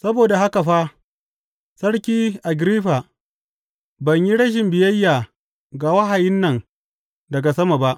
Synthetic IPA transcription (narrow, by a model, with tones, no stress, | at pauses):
sɐ˦boː˨da˨ha˦ka˨ɸa˦ | sɐ˦ɽkʲiː˦ʔa˨ɡɾiː˦ɸa˨ | bɐ˨ɲji˦ɽɐ˦ʃ̬ɪ˨mbɪ˨jɐ˦jːaː˨ | ɡa˨wɐ˦ɦa˨jɪ˦nːɐ˨ŋ | dɐ˨ɡa˨sɐ˦ma˨ba˦ʔ